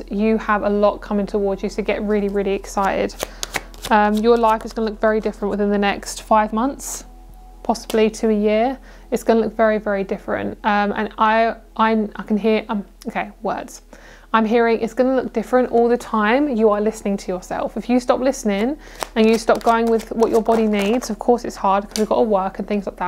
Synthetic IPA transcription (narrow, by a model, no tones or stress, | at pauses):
jəəvəlɒʔ̚kʰʌ̃mɪ̃ŋtʰəwɔːdzjɨsəʊɡɛʔɹɪəliɹɪːliɪksaɪtɪ̰d̥ | ʌ̃mjəlaɪfɪzɡʌnəlʊkv̥ɛɹidɪfɹə̃nʔwɪðɪ̃nðənɛkstfaɪvmʌ̃nθs | pʰɒsəblitʰəːjɪə | ɪtsɡ̥ʌnəlʊkv̥ɛɹivɛɹidɪfɹə̰̃ntʌ̃mə̰̃naɪʔãɪnaɪkʰə̃nɦɪəɹʔʔãm | oʊkʰeɪwɜ̰ːdz̥ | ãɪ̃mɦɪəɹɪ̃ŋʔɪtsɡ̥ʌnəlʊk̚d̥ɪfɹə̃ntɔːlˠðətʰãɪ̃mjəəlɪsnɪ̃ŋtʰəjəsɛ̰lˠfɪfjəstɒplɪsnɪ̃ŋ | ə̃njəstɒp̚ɡ̥əʊɪ̃ŋwɪðwɒt͡ʃəbɒɾiniːdz̥əv̥kʰɔˑsɪtshɑːd̚kʰʌzwivɡɒ̰ʔəwɜˑkə̃nθɪ̃ŋzlaɪk̚ðəʔ